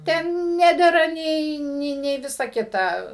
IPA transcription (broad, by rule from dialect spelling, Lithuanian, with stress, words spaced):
ˈtʲɛn ˈnʲæːdʲɛrɐ ˈnʲɛɪ ˈnʲɛɪ nʲɛɪ ˈʋʲɪsɐ ˈkʲɪtɐ